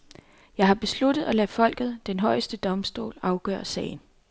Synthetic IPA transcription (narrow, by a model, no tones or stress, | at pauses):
jɑ̈ɪɦɑ̈b̥e̝slud̥ð̩ˠælɛfɒ̽l̰ɡ̥ð̞̩ˠd̥enɦɒ̽ɪsd̥əd̥ɒ̽msd̥o̝̰ːlɑ̈ʊɡ̥œ̰ːɐsɛ̰ːɪn